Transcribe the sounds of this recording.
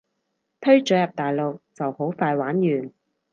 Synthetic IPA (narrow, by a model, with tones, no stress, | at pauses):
t̪ʰɵ˥ɥt͡ʃœː˨˥jɐ˨p̚t̪aː˨jlo˨k̚t͡sɐ˨who˨˥wfaː˧jwaː˨˥njyː˨n